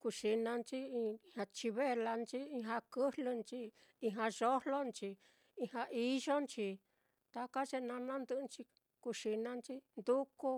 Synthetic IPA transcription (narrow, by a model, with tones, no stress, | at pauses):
ku˧ʂi˧nã˧nt͡ʃi˦˧hã˧t͡ʃi˧βe˦˧la˧nt͡ʃi˦i˧ɦã˧kɨ˦hlɨ˧nt͡ʃi˦ | i˧ɦã˧ʒo˦hlo˦nt͡ʃi˧ | i˧hã˧ʔi˦ʒo˦nt͡ʃi˧ | t̪a˧ka˦ʒe˧nã˧nã˦nd̪ɨ˧nt͡ʃi˧ | ku˧ʃi˧nã˧nt͡ʃi˦nd̪u˦ku˦